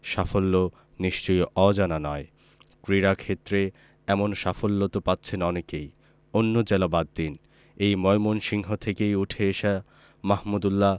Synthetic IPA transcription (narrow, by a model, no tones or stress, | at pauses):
ʃafolːo | niʃt͡ɕojʔɔd͡ʑananɔe | kɾiɾakʰet̪ːɾe | ɛmonʃafolːot̪opatːɕʰenɔnekej | onːod͡ʑelabad̪ːin | ejmɔjmonʃiŋɦot̪ʰekejuʈʰeeʃa | mahmud̪ulːa